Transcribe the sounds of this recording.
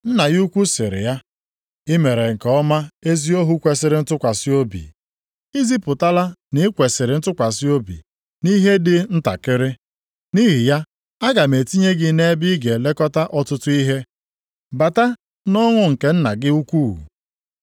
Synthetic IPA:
n̩˦na˨ɣu˦kʷu˦sɪ˨ɾɪ̰˨ja˦ | ɪ˦me˨ɾe˨ŋ̩˨kɔ˦ma˦e˦zi˦o˦ɦu˦kʷe˨sɪ˨ɾɪ˨n̩˦tʊ˦kʷa˨sɪ˦o˦bḭ˨ | i˦zi˦pʊ˨ta˦la˦nɪ˦kʷe˨sɪ˨ɾɪ˨˦n̩˦tʊ˦kʷa˨sɪ˦o˦bḭ˨ | ni˦ɦe˦dɪ˦n̩˦ta̰˨kɪ˦ɾɪ˦ | ni˦ɦi˨ja˦ | a˦ɡa˨me˨ti˦ɲe˦ɡɪ˦ne˦bi˦ɡe˨le˦kɔ˦ta˦ʔɔ˦tʊ˦tʊ˦i˦ɦe˦ | ba˨ta˦ | nɔ˦ŋʷʊ˦ŋ̩˨ke˨n̩˦na˨ɡɪ˦u˦kʷṵ˦˨

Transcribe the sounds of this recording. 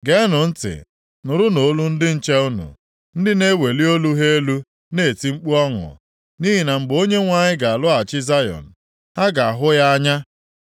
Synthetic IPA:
ɡe˦nʊ˨n̩˦tɪ̰˨ | nʊ˨ɾʊ˦no˨˦lu˦n̩˦dɪ˦n̩˦t͡ʃe˦ʊ˦nṵ˨ | n̩˦dɪ˦ne˦we˨li˦o˦lu˦ɦe˦e˦lu˦ | ne˦˨ti˦ŋ͡m̩˦k͡pu˦ɔ˦ŋʊ̰˨ | ni˦ɦi˨na˨ŋ͡m̩˨ɡ͡bo˦ɲe˦ŋʷa˦˨ɲɪ˦ɡa˨a˨lʊ˦a˨t͡ʃɪ˦za˦jɔ̰˨n̩˨ | ha˦ɡa˨a˨ɦʊ˦ja˦a˦ɲa˦

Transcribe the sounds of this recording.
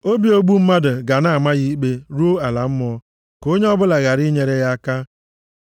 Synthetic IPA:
o˦bi˦o˦ɡ͡bu˦m̩˦ma˦dʊ˨ɡa˨na˦a˨ma˦ɣi˦k͡pe˦ɾu˦a˨la˨m̩˦m˦ɔ˦ | ko˦ɲe˦ɔ˦bʊ˦la˨ɣa˨ɾi˦ɲe˦ɾe˦ja˦ka˦

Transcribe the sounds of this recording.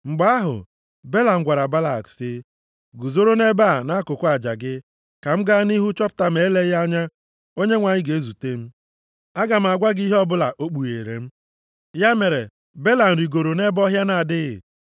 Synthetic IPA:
ŋ͡m̩˨ɡ͡ba˦a˦ɦʊ̰˨ | be˦la˨ŋ̩˨ɡʷa˨ɾa˨ba˦la˨ksɪ˦ | ɡu˨zo˦ɾo˦ne˦ba˦˨na˦kʊ˨kʊ˦a˨d͡ʒa˨ɡɪ˦ | ka˨m̩˦ɡa˦ni˦ɦu˦t͡ʃɔ˦pʊ̥˨ta˦m̩˨e˨˦le˦ɣja˦ɲa˦ | o˦ɲe˦ŋʷa˨ɲɪ˦ɡe˨e˦zu˨te˦m̩˦ | a˦ɡa˨m̩˨a˨ɡʷa˦ɡi˦ɦɔ˦bʊ˦la˨ʔo˦k͡pu˨jḛː˨ɾḛ˨m̩˦ | ja˦me˨ɾe˨ | be˦la˨n̩˨ɾi˨ɡo˨ɾo˨ne˦bɔ˦ɦja˦na˨a˨dɪ˦ɣɪ˨

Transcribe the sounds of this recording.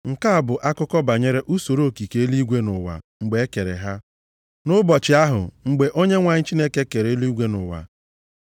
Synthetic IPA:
ŋ̩˨ka˦a˨bʊ˨ʔa˦kʊ˦kɔ˦ba˨ɲe˦ɾe˦ʔu˦so˨ɾo˦˨ki˨ke˦e˦li˦ɡʷe˦nʊ˨wa̰˨ŋ͡m̩˨ɡ͡be˨˦e˦ke˨ɾḛ˨ɦa˦ | nʊ˦bɔ˨t͡ʃɪ˨a˦ɦʊ̰˨ŋ͡m̩˨ɡ͡be˨ʔo˦ɲe˦ŋʷa˨ɲɪ˦t͡ʃi˦ne˦ke˦ke˨ɾe˨e˦li˦ɡʷe˦nʊ˨wa̰˨

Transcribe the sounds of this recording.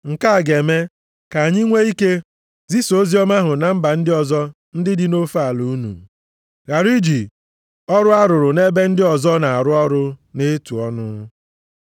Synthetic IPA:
ŋ̩˨ka˦a˨ɡe˨me˦ | ka˨ɲɪ˦ŋʷe˦i˦ke˦ | zi˦so˦zi˦ɔ˦ma˦ɦʊ˨na˨m̩˦ba˨n̩˦dɪ˦ɔ˨zɔ˦ | n̩˦dɪ˦dɪ˦no˦fa˦˨lu˦u˦nṵ˨ | ɣa˨ɾi˦d͡ʒi˨ | ɔ˦ɾʊ˦a˦ɾʊ˨ɾʊ˨ne˦be˦n̩˦dɪ˦ɔ˨zɔ˦na˨a˨ɾʊ˦ɔ˦ɾʊ˦ne˦tu˨ɔ˦nʊ˦

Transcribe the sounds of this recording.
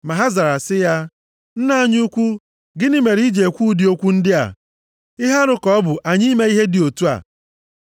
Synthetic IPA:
ma˨ɦa˦za˨ɾa˨sɪ˦ja˦ | n̩˦na˦ɲ˦u˦kʷu˦ | ɡɪ˦nɪ˦me˨ɾi˦d͡ʒe˨e˨kʷu˦di˨o˦kʷu˦n̩˦dɪ˦a̰˨ | ɪ˦ɦa˦ɾʊ˦kɔ˦ɔ˦bʊ˨ʔa˨ɲi˦me˦i˦ɦe˦dɪ˨o˨tu˦a̰˨

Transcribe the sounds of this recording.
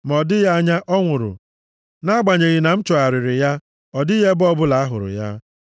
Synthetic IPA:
m˨ɔ˨dɪ˦ja˦ɲa˦ʔɔ˦ŋʷʊ˨ɾʊ̰˨ | na˦ɡ͡ba˨ɲe˨ɣɪ˨na˨m̩˦t͡ʃɔ˨a˨ɾɪ˨ɾɪ˨ja˦ | ɔ˨dɪ˦je˦bɔ˦bʊ˦la˨a˦ɦʊ˨ɾʊ̰˨ja̰˦

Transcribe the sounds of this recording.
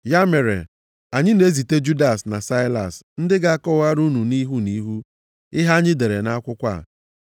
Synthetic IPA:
ja˦me˨ɾḛ˨ | a˨ɲɪ˦ne˦zi˨te˦d͡ʒu˦da˨sna˨sa˦ɪ˦la̰˨sn̩˦dɪ˦ɡa˨a˦kɔ˦˨wa˦ɾu˦nu˨ni˦ɦu˦ni˦ɦu˦ | ɪ˦ɦa˦ɲɪ˦de˨ɾe˨na˦kʷʊ˦kʷa̰˦˨

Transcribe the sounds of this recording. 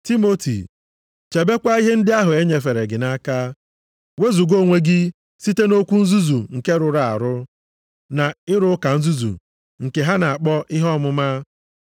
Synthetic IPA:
ti˦mo˦tḭ˨ | t͡ʃe˨be˦kʷa˦i˦ɦe˦n̩˦dɪ˦a˦ɦʊ˨e˦ɲe˨fe˨ɾe˨ɡɪ˨na˦ka˦ | we˦zu˨ɡo˦˨ŋʷe˦ɡɪ˦ | si˦te˦no˦kʷu˦n̩˦zu˦zu˨ŋ̩˨ke˦ɾʊ˨ɾa˨a̰˨ɾʊ˦ | na˨ɪ˦ɾʊ˦ka˨n̩˦zu˦zṵ˨ | ŋ̩˨ke˨ɦa˦na˨a˨k͡pɔ˦ʔɪ˦ɦɔ˦mʊ˦ma˦

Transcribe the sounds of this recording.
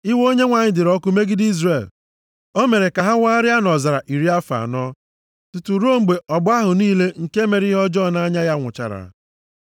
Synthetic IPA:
ɪ˦wo˦ɲe˦ŋʷa˨ɲɪ˦dɪ˨ɾɔ˦kʊ˦me˦ɡɪ˦di˦zre˨l | o˦me˨ɾe˨ka˨ɦa˦wa˦ɾɪ˦a˦nɔ˨za˨ɾa˨ʔi˨ɾi˦a˦fa̰˨nɔ˦ | tu˨tu˨ɾo˦ŋ͡m̩˨ɡ͡be˨ɔ˨bʊ˦a˦ɦʊ˨niː˦le˦ŋ̩˨ke˦me˨ɾi˦ɦɔ˦d͡ʒɔ˦˨na˦ɲa˦ja˦ŋʷʊ̰˨t͡ʃa̰˨ɾa̰˨˦

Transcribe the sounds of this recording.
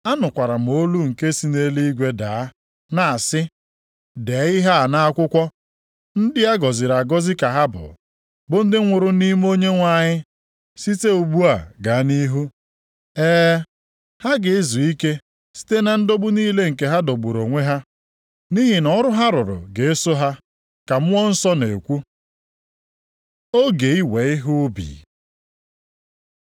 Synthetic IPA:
a˦nʊ˨kʷa˨ɾa˨m̩˨o˦lu˦ŋ̩˨ke˦si˦ne˦li˦ɡʷe˦da˨˦ | na˨a˨sɪ˦ | de˨˦ɪ˦ɦa˦˨na˦a˦kʷʊ˦kʷɔ˦ | n̩˦dɪ˦a˦ɡɔ˨zɪ˨ɾa˨ɡɔ˦zɪ˦ka˨ɦa˦bʊ̰˨ | bʊ˨n̩˦dɪ˦ŋʷʊ˨ɾʊ˦ni˦m˦o˦ɲe˦ŋʷa˦˨ɲɪ˦ | si˦te˦u˨ɡ͡bu˦a˨ɡa˨˦ni˦ɦu˦ | ɛː˦ | ha˦ɡɪ˨ɪ˦zu˨i˦ke˦ | si̥˦te˦na˨n̩˦do˦ɡ͡bʊ˦niː˦le˦ŋ̩˨ke˨ɦa˦do˨ɡ͡bu˨ɾo˨ŋʷe˦ɦa˦ | ni˦ɦi˨nɔ˦ɾʊ˦ɦa˦ɾʊ˨ɾʊ̰˨ɡe˨e˦sʊ˦ɦa˦ | ka˨m̩˦ɔ˦n̩˦sɔ˦ne˨kʷu˦ | o˦ɡe˨i˦we˨ɪ˦ɦʊ˦bḭː˨

